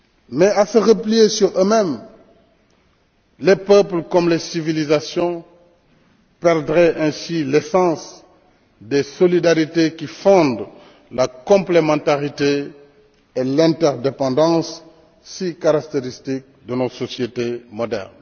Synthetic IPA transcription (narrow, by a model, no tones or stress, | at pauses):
mɛasəʁəplijesyʁømɛ̃m | lepœplkɔmlesivilizasjɔ̃ | pɛʁd̪ʁɛʔɛ̃silɛsɑ̃s | d̪esɔlid̪aʁit̪ekifɔ̃d̪ | lakɔ̃plemɑ̃t̪aʁit̪eː | lɛ̃t̪ɛʁd̪epɑ̃d̪ɑ̃sː | ikaʁak̚t̪eʁist̪ik̚d̪ənɔsɔsjet̪emɔd̪ɛ̰ʁn